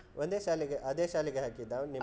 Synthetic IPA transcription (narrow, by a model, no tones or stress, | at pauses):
ʔond̪eːʃaːliɡeʔɐd̪eːʃaːliɡeɦaːkid̪ːani